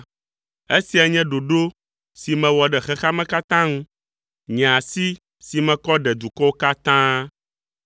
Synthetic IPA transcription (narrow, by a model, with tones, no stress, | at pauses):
e˦si˨a˨ɲɛ̃˦ɖo˨ɖo˦ | si˨mɛ̃˨wɔ˨ɖɛ˨xɛ˦xa˦mɛ̃˦ka˦t̪ã˦ŋũ˦ | ɲɛ̃˨a˨si˦ | si˨mɛ̃˨kɔ˦ɖɛ˨d̪u˨kɔ˦wo˦ka˦t̪ã˦